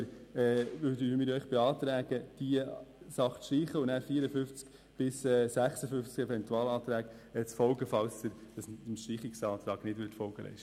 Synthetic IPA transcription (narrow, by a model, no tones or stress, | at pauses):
ɾɛːʋøːɾdəmɪːɾœʏχb̥ɛɑːt̪ɾæːɡəd̥iəsɑχt͡sʃtiːχəʊnnæːɾfiəɾəfʏft͡sk | b̥ɪsɛːsæχsəfʏft͡sɡɛvɛntuɑːlɑːt̪ɾæːk | ɛt͡sfɔlɡəfɑwstəɾd̥ɑsnʃtiːχɪksɑːt̪ɾɑːɡnɪdʋʏtfɔlɡəlʔɛ̰ɪʃtə